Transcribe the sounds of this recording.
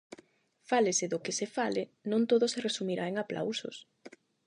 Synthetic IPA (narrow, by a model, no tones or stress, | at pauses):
falesɪðʊkɪsefalɪnõnt̪oðoseresumiɾaeŋaplʔa̰wso̰s